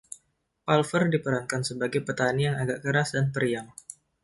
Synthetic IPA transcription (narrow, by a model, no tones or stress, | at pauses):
palfərdipəɾankansəbaɡajpət̪anijaŋaɡaʔkəɾasdanpəɾiaŋ